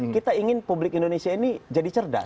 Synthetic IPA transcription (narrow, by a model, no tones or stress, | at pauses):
kit̪aiŋɪnpublɪkindonesiainid͡ʒadit͡ʃərda̰